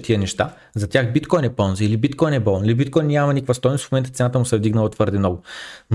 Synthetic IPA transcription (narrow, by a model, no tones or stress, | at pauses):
t̪iənɛʃt̪a | zɐt̪ʲjaxbit̪kɔjnɛpɔnziilibit̪kɔjnɛbɔlˠnilibit̪̚kɔjnnʲːjamɐnikvɐst̪ɔjnʊsfmʊmɛnt̪ət̪ɛnat̪əmʊsɛvd̪iɡnɐlˠət̪vɤɾd̪ɛnɔɡʊn